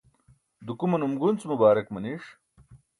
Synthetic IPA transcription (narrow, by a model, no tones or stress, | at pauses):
d̪ukumɐnumɡunt͡smubaːɾɐkmɐniʂ